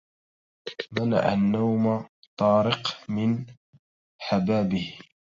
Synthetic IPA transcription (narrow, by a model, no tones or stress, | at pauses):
mana̰ʕa̰nːawma | t̪ˤɑːɾɪqmɪn | ħabaːbɪh